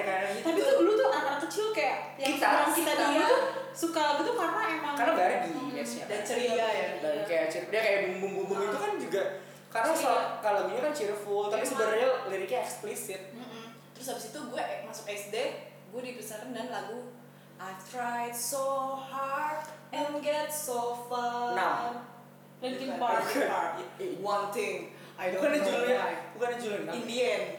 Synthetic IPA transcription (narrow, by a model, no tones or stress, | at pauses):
kanaɡit̪apit̪ulut̪uakanakət͡ʃɪlkajaʔ | jakit̪aaŋkit̪adiit̪u | sukalaɡut̪ukarnaemaŋkarnabaɡibɛsja̰dant͡ʃəɾiajabaɡikajat͡ʃirfəjakajabuŋbuŋbuŋbʊŋit̪ukand͡ʒuɡa | karnasalakaloaɡiɲakant͡ʃirfʊlt̪apisəbəɾaɲaliɾikaɛksplisɪt̪̩̚ | t̪əɾʊs̬abɪsit̪uɡuaʔmasʊkɛsde | ɡuadipəsaɾndanlaɡu | at̪ɾajt̪̚sohart̪̚ɛnɡɛt̪̚sofana | likɪnbaajawant̪ɪŋ | ʔad̪okanad͡ʒulaukanad͡ʒulʊnaindiɛn